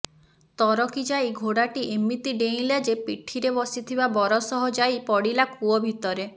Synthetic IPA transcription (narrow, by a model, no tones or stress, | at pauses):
t̪ɔɾɔkid͡ʒaiɡʱoɽaʈiʔemit̪iɖeĩlad͡ʒepiʈʰiɾebɔsit̪ʰibabɔɾɔsɔɦɔd͡ʒajpɔɽilakuɔbʱit̪ɔɾe